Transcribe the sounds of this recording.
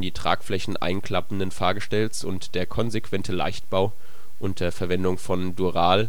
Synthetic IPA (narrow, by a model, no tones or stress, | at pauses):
ndiːtʁ̥a̰ːkflɛçn̩ʔa̰ɪnkl̥apn̩dənfaːɐɡəʃtɛlsʊntd̥eːɐkʰɔnzekv̥ɛntʰəla̰ɪçt̚b̥aʊ | ʔʊntɐɐfɛɐvɛndʊŋfɔnduʁaːl